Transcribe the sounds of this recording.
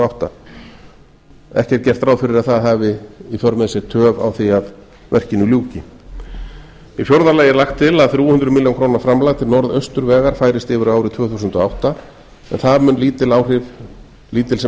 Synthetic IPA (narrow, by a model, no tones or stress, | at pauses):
awht̪a̰ | ɛ̰hcɛɾt̪̚cɛr̥t̪ɾaːwfɪɾɪɾaðθaðɦaːvɪifjɔɾmɛsɪɾ̥t̪ʰœːva̰wθiað | vɛ̰r̥cɪnːʏljuːcɪ | ifjɔwɾðalaːjɪlaxt̪ʰːɪlaðθɾuhʏnd̪ɾʏmɪljonkʰɾoːnaɾfɾamlaɣt̪ʰɪlnɔɾðœst̪ʏɾvɛːɣaɾ̥faːjɾɪst̪ɪːvʏɾaaːwɾɪt̪ʰvœːθuːsʏnt̪ɔawht̪a | ɛ̰nθaðmʏnliːt̪ɪlaːwr̥ɪv | liːt̪ɪlsɛ